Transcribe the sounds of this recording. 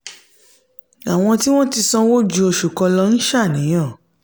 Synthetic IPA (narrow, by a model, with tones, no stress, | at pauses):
a˨w̃ɔ̃˧ti˦w̃ɔ̃˦ti˧sɔ̃˧wo˦d͡ʒu˧o˧ʃu˨kɔ˧lɔ˧n̩˦ʃa˦˨nĩ˨˦j̃ɔ̃˦˨